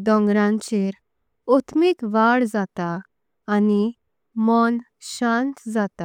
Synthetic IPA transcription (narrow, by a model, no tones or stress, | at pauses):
d̪ɔ̃ŋɡɾãɲt͡ɕeɾ | ot̪mikʋaɽd͡zat̪aː | ni | mɔn | ɕãnt̪d͡zat̪a